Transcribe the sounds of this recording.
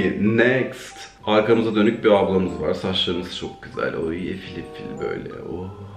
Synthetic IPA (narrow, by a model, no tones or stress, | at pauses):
ɪnɛkst̪ | aɾkʰamɯzad̪ø̞nyc̚biablˠamɯzvaɾ̥sat͡ʃlˠaɯmɯzt͡ʃʰok̚ɟ̥yzæ̰lʲojefilʲifilʲbø̞̰jlʲɛ̰o